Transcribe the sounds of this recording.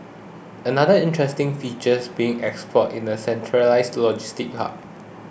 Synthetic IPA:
ənadəɪ̃ntɹɛstɪ̃ŋfit͡ʃəsbiɪ̃ŋɛkspʰɔtĩndəsɛ̃ntʰɹəlaɪstlɔd͡ʒistɪk̚a̰t

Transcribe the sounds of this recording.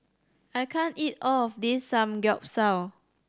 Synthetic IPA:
ajkʰãnitɔɔfdisːãmɡɛʊp̚saw

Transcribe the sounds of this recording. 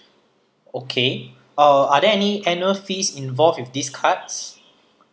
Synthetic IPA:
okʰe | aadɛɛniɛnuəlfisĩnvɔlfwifdiskʰats

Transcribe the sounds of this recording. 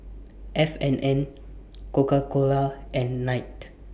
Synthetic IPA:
ʔɛfɛ̃nɛ̃n | kokakolaʔɛ̃nːajt

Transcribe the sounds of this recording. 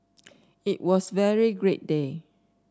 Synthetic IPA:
iʔ̚wɔsvɛɹiɡɹet̚de

